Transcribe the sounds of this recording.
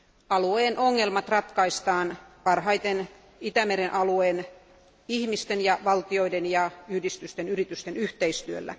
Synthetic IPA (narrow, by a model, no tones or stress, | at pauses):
ɑlueːnʔoŋːelmɑt̪rɑt̪kɑist̪ɑːnpɑrhɑit̪en | it̪æmeɾenʔɑlueːn | ihmist̪enjɑʋɑlt̪ioidenjɑyhdist̪yst̪enyrit̪yst̪enyht̪eist̪yø̰lːæ̰